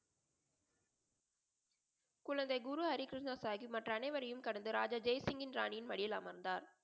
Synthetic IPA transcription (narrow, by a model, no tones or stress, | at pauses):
kʊɻɐnd̪ɐɪɡʊɾuɦɐɾikɾɪʂnaːsaːɣimɐʈrɐːnɐɪʋɐɾɐjɯmkɐɽɐnd̪ɯɾa̰ːd͡ʒaːd͡ʒɐjsɪŋɡɪnɾa̰ːɳɪjɪnmɐɽɪjɪlaːmɐɾnd̪aːɾ